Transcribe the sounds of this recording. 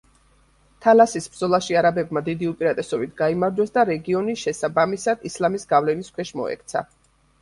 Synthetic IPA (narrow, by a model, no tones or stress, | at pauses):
t̪ʰalasisbɾd̪zɔlˠaʃiaɾabɛbmad̪id̪iupʼiɾat̪ʼɛsɔbit̪ʰɡaimaɾd͡ʒwɛsd̪aɾɛɡiɔniʃɛsabamisad̪̥islamisɡavlɛniskʰwɛʃmɔ̰ɛ̰k̚ʰt̪sʰa̰